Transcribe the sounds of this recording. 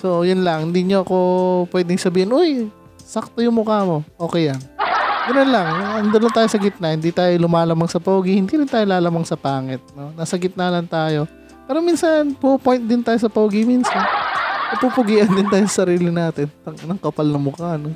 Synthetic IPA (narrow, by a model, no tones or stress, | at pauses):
so̞jʊnlɐŋhɪnd̪iːɲoɐko̞pwɛːd̪ɪŋsɐbiːhɪnʔoj | sɐk̚t̪ojʊŋmʊkaːmo̞ʔo̞ːkɛjlɐŋɡɐnonlɐŋɐnd̪ɐnont̪aːjosɐɡɪt̪̚nɐhɪnd̪iːt̪aːjolʊmaːlɐmaŋsɐpɐuɡɪhɪnd̪iːɾɪnt̪aːjolaːlɐmɐŋsɐpaːŋɛt̪̚no̞nɐsɐɡɪt̪̚nɐlɐnt̪aːjo̞ | pɛːɾo̞miːnsɐnpuʔʊpojnt̪̚d̪ɪnt̪aːjosɐpɐuɡɪminsɐnnɐpupʊɡiːʔɐnd̪ɪnt̪aːjosɐ̥sɐɾiːlɪnaːt̪ɪnt̪ɐŋʔɐnɐŋkɐpɐlnɐŋmʊkaʔɐno